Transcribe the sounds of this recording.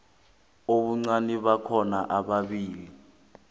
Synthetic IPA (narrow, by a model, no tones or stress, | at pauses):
oɓuŋ͡ǀaniɓakʰɔnaʔaɓaɓiːli